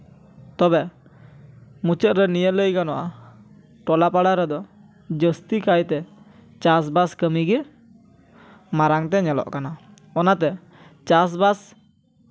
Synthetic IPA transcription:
t̪ɔbɛ | mut͡ʃət̪̚ɾɛnijələjkanɔʔa | ʈɔlapaɽaɾɛd̪ɔ | d͡ʒəst̪ikajt̪ɛt͡ʃasbaskəmiɡɛ | maɾaŋt̪ɛɲɛlɔ̰ʔkana | ɔnat̪ɛ | t͡ʃas̬bas

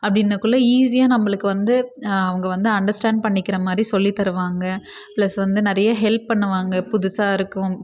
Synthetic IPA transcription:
ɐpːɐɽɪnːɯkːɯɭːɐiːs̬ɪjaːnɐmːɐɭɯkːɯʋɐnd̪ɯɐʋɐŋɡɐʋɐnd̪ɯɐɳɖɐɾsʈaːɳɖ̚pɐɳːɪkːɪɾɐmaːd̪ɾisɔlːit̪ɐɾɯʋaːŋɡɐ | pɭɐsʋɐnd̪ɯnɪɾɐjɐɦɛlpːɐɳːɯʋaːŋɡɐpʊðʊsaːɪɾɯkːʊ̃m

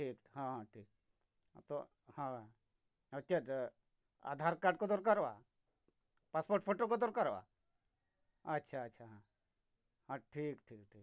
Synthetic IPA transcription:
ʈʰiːkɦãɦãʈʰiːk̚ | t̪o | hã | ɐt̪ət̪ | a̰d̪ʱaɾkaːɾɖ̚kod̪oɾkɐɾʋa̰ | paspoɾʈpʰoʈokod̪oːɾkɐɾʋa̰ | ɐtːʃʰaːtːʃʰaɦã | hãʈʰiːkʈʰiːkʈʰiːk

